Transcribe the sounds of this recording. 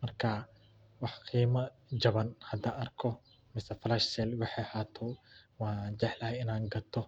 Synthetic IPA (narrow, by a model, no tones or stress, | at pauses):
mɐrkʰɐ | wɑħqʰiːmɐ | d͡ʒɐβɐnhɐd̪aɐrkʰɔ | mɪsɛflɐʃsɛlwɑħɛjhaːt̪ʰɔwaːd͡ʒɛħlɐhɛjɪnaːŋɡɐt̪ʰːɔ